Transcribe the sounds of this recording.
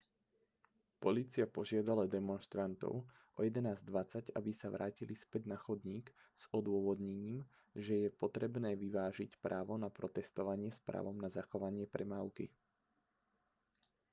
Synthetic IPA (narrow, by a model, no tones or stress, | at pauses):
pɔliːt͡siapɔʒɪad̪alad̪ɛmɔnʃt̪ɾant̪ɔ̰ʊ | ʔɔjɛd̪ɛnaːzd̪ʋat͡saɟa̰bisaʋɾʔaːcilispɛɟnaxɔd̪ɲiːk | z̥ɔd̪ʊɔʋɔd̪ɲɛɲiːm | ʒɛjɛpɔt̪ɾɛbnɛːʋiʋaːʒicpɾaːʋɔnapɾɔt̪ɛst̪ɔʋaɲɪɛspɾa̰ːʋɔmnazaxɔʋaɲɪɛpɾɛmaːʊkḭ